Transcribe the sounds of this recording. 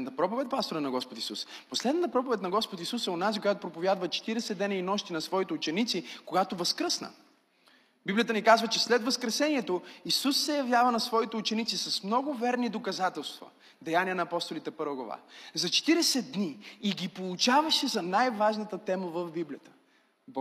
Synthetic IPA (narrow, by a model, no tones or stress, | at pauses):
ɛnt̪əpɾɔpovɛt̪̚ʲpast̪oɾɐnɐɡɔspot̪isusposlɛd̪nət̪əpɾɔpovɛt̪nɐɡɔspot̪isusɛonazikojat̪opɾopovjad̪vət͡ʃɛ̥t̪iɾɛsɛd̪ːɛnəinɔʃt̪inɐsvɔit̪ɛut͡ʃɛnit̪sikoɡat̪ovɐskɾɤsnə̰ | biblʲijət̪ənikazvət͡ʃɛslɛt̪vɐskɾɛsɛniɛt̪oisusːɛjɐvjavənɐsvɔit̪ɛuʊt͡ʃɛnit̪sisɐsmnɔɡʊvɛɾnid̪okɐzat̪ɛlˠst̪və̰ | d̪ɛjanʲiənɐːpɔst̪olit̪ɛpɤɾvəɡlˠɐ̰va̰zɐt͡ʃɛ̥t̪iɾɛsɛd̪̚d̪niːɡʲipolˠut͡ʃavɐʃɛzɐnajvaʒnət̪ət̪ɛməvɐvbiblijət̪ə̥ | b